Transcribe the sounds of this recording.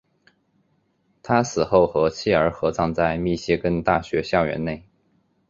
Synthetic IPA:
t̪ʰa˥sɹ̩˨˩xo˥˩ʊxɤ˧˥t͡ɕʰi˥˩ə˞˧˥xɤ˧˥t͡sɑ˥˧ŋt͡sa˥˧ɪmi˥˩ɕjɛ˥kə˥nt̪a˥˩ɕɥɛ˧˥ɕjɑ˥˩ʊɥɛ̰˧˥nne˥˩ɪ

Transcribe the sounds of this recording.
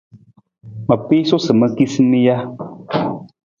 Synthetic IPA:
mə˨pi˦so˦sɨ˨mə˨ki˦si˦mi˦ja˦

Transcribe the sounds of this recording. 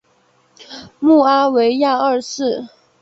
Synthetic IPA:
mu˥˩a˥we˧˥ɪja˥˧ə˞˥˧sɹ̩˥˩

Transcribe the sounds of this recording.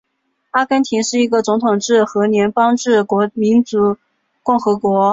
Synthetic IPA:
a˥kə˥nt̪ʰi˧˥nʂɻ̩˥˩i˧˥ɡə˧t͡sʊ˧˥ŋt̪ʰʊ˨˩ŋʈ͡ʂɻ̩˥˩xɤ˧˥njɛ˧˥npɑ˥ŋʈ͡ʂɻ̩˥˩kwɔ˧˥mi˧˥nt͡su˧˥ | kʊ˥˩ŋxɤ˧˥kwɔ˧˥

